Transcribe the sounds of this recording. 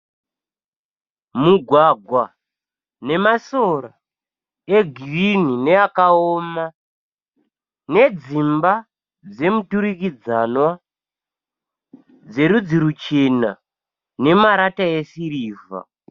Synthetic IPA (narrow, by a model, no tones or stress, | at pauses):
muɡʱwaɡʱwa | ne̞masoɾa | e̞ɡʱirinine̞akaoma | ne̞d͡zimba | d͡ze̞mutuɾikid͡zanwa | d͡ze̞ɾud͡ziɾut͡ʃena̰ | ne̞maɾataesiɾiːva̰